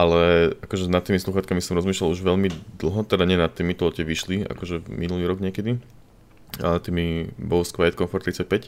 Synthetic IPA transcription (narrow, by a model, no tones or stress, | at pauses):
ʔalɛakɔʒɛnat̪ːiːmisluxaːt̪kamisɔmɾɔzmiʃlaluʒʋɛʎmid̪l̩ˠɦɔt̪ɛd̪aɲɪɛnat̪ːiːmit̪ɔlɛcɛʋiʃlia̰kɔʒɛminuliːɾɔɡɲɪɛkɛd̪i | aɛt̪imibɔlskʋalɛt̪kɔnfɔɾt̪ɾit͡sac̚pɛc